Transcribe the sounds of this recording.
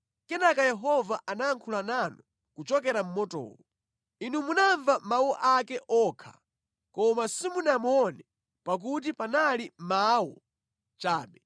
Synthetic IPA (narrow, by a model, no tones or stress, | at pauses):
kɛnakajɛɦɔvaʔanaːŋkʰulananɔ | kut͡ʃɔkɛɾam̩mɔtɔ̰ːwɔ | inumunaɱvamawɔʔakɛʔɔːkʰḁ̰ | kɔmasimunamɔnɛ | pak̬ut̬ipanalimawɔ | t͡ʃaːɓɛ